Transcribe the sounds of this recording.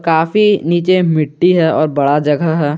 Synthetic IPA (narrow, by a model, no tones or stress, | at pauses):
kaːfiniːt͡ʃemɪʈːiɦɛɔːɾbɐɽad͡ʒɐɡəɦɦɛː